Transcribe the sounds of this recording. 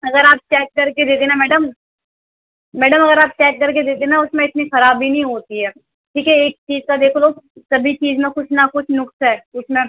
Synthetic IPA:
ɐɡəɾaːp̚t͡ʃɛːk̚ːɐɾked̪eːt̪enamɛːɖəm | mɛːɖəmɐɡəɾaːp̚t͡ʃɛːkːɐɾk̬ed̪eːt̪enaʊsmẽɪt̪nixɐɾaːbʱːinɐɦĩɦoːt̪iɦɛː | ʈʰiːkɛeːk̚t͡ʃiːzkad̪eːkʰloːsɐbʱit͡ʃiːzmẽkʊt͡ʃʰnakʊt͡ʃʰnʊksɦɛːʊt͡ʃmẽ

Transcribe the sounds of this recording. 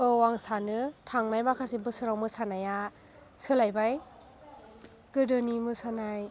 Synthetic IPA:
ɯwaŋsanɯtʰaŋnajmakʰasibɯsɯɾawmɯsanaja | sɯlajbaj | ɡ̥ɯdɯnimɯsanaj

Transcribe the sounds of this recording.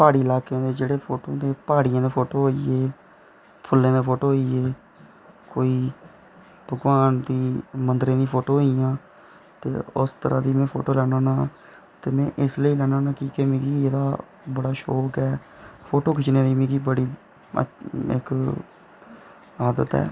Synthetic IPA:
paːɽiːəlaːkeãːd̪eːd͡ʒeːɽeːpʰoːʈõːd̪eːpaːɽɪjãːd̪eːpʰoːʈoːɦoːiːeː | pʰʊlːẽːd̪eːpʰoːʈoːɦoiːeː | koːiː | bʱəɡʋaːnd̪iːmənd̪ɾẽːd̪iːpʰoːʈoːɦoːijãː | t̪ḛːʊ̰st̪əɾa̰ːd̪iːmɛ̃ːpʰoːʈoːlɛːnãːnãː | t̪eːmɛ̃ːʔɪsləiːlɛːnãːnãːkiːkeːmẽːɡiːeːd̪aː | bəɽaːʃoːkɛː | pʰoːʈoːkʰɪt͡ʃnẽːd̪iːmẽːɡiːbəɽḭː | ɪ̰k | aːd̪ət̪ɛ̰ː

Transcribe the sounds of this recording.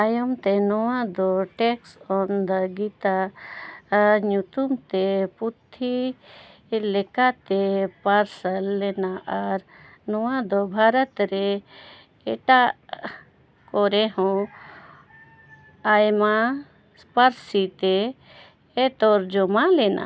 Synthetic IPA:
ajɔmt̪ɛnɔwad̪ɔʈɛksɔnd̪əɡit̪a | ɲut̪umt̪ɛput̪ʰːi | lɛkat̪ɛpaɾsəlːɛnaʔaɾ | nɔwad̪ɔbʱaɾət̪ɾɛ | ɛʈaʔ | kɔɾɛɦɔ̃ | ajma | spaɾsit̪ɛː | t̪ɔɾd͡ʒɔmalɛna̰

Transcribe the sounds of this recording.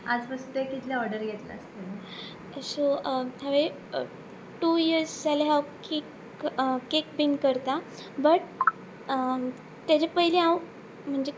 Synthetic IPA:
ad͡zpəsut̪ekit̪ljaɔɾɖəɾɡet̪la̰əst̪el | sot̪jaʋe | ʈujiəɾsd͡zaleɦawkik | kek̚binkəɾt̪a | bəʈ | t̪jat͡ɕepəɦileãw | m̤əɳd͡ʑe

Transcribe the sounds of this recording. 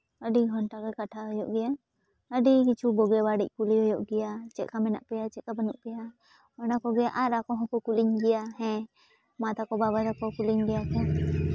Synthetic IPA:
əɖiɦɔnʈakɔkaʈʰaɦɔjɔʔɡɛja | əɖikit͡ʃʰubɔɡɛbaɽic̚ˀkuliɦɔjɔʔɡɛjat͡ʃɛʔkamɛna̰ʔpɛjat͡ʃɛkabənuʔpɛja | ɔnakɔɡɛjaʔaɾakɔɦɔ̃kɔkuliɲɡɛjaɦɛ̃ | mat̪akɔbaβaɾakɔkuliɲɡɛjakɛ̃

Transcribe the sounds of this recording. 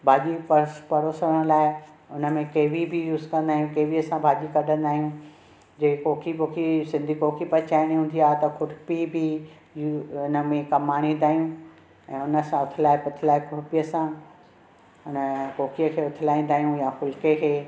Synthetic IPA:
bʱaːd͡ʑipɐpɐɾoːsəɽ̃laːɪ | ʊnə̆mẽkeːʋibʱijuːzkɐ̃nd̪aːɦijũkeːʋiəsãbʱaːʄikɐɖʱə̃nd̪aːɦijũ | d͡ʑeːkoːkʰipoːkʰisɪ̃nd̪ʱikoːkʰipɐt͡ɕaːɪɽ̃iɦũːnd̪iaːt̪ɐkʰʊʈpibʱi | jʊnə̆mẽkɐmaːɽ̃ĩːnd̪aːɦijũ | ɛ̃ːʊnəsãʊt̪ʰɪlaːɪpʊt̪ʰɪlaːɪkʰʊʈpijəsã | ʊnəkoːkʰijəkʰeːʊt̪ʰɪlaːĩːn̆d̪aːɦijũjaxʊlkekʰeː

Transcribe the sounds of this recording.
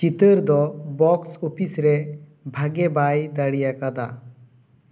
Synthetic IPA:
t͡ʃit̪əɾd̪ɔbɔksɔpʰisɾɛbʱaɡɛbajd̪aɽijakad̪a̰

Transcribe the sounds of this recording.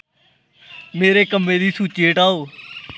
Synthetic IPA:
meːɾeːkəmːeːd̪iːsuːt͡ʃeːʈaːoː

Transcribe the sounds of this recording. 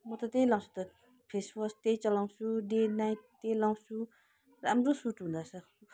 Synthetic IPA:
mot̪at̪elaŋɕut̪ə | pʰeswost̪et͡ɕalaŋɕudenajt̪̚ːelaŋɕu | ramɖ͡ʐosuʈ͡ʂund̪asau

